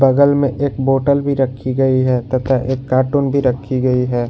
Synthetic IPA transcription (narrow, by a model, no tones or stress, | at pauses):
bɐɡəlmẽʔeːkboːʈəlbʱiɾɐkʰːiɡɐiɦɛːt̪ɐt̪ʰaʔeːkːaːɾʈuːnbʱiɾɐkʰːiɡɐiɦɛː